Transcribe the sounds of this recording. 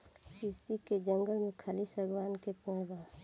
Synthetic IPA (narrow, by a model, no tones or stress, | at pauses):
sisiked͡ʒə̃ŋɡəlmẽkʰalisəɡʋaːnkepẽːɽbaː